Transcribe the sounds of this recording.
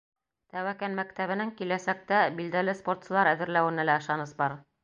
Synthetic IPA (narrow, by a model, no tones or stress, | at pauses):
t̪æwækænmækt̪æβɘ̆nɘŋkilæsæk̚t̪æbild̪ælɘspo̞rt̪sɤ̆lˠɑɾæðɘ̆ɾlæwɘ̆nælæɤ̆ʃɑnɤsbɑɾ